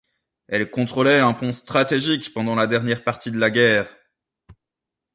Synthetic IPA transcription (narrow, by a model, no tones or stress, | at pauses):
ɛlkɔ̃t̪χɔlɛɛ̃pɔ̃st̪χat̪eʒikpɑ̃d̪ɑ̃lad̪ɛʁnjɛʁpaʁt̪id̪əlaɡʲɛːʁ